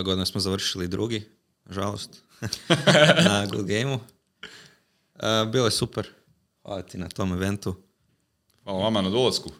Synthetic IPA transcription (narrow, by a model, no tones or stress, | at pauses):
eɡo̞d̪inesmozaʋr̩ʃilid̪ɾʔuɡi | ʒalo̰st̪ | naɡṵd̪ɡejmu | əbiːlˠojesupeɾ | xʋa̰lˠat̪inat̪o̞meʋe̞nt̪u | xʋalˠaʋamanad̪olˠasku